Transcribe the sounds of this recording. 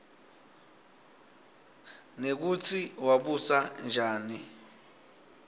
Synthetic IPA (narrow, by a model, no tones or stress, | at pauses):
nek̬ut͡sʰiwaɓusand͡ʒʱaːni